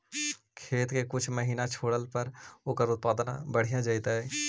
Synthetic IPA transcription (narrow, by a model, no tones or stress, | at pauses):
kʰeːt̪kekʊt͡ʃʰməɦiːnat͡ʃʰoːɽəlpəɾʊkəɾʊt̪̚paːd̪nã̰bəɽ̤ijãd͡ʒaːit̪aɦɛː